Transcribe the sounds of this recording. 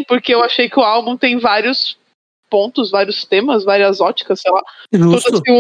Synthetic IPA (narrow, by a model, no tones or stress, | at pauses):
poɾkeewaʃejkɪʊawbũt̪ẽj̃vaɾiʊs | põnt̪ʊzvaɾiʊst̪ẽmɐsvaɾiɐzɔt͡ʃi̥kɐsejlat̪od̪ɐkɪ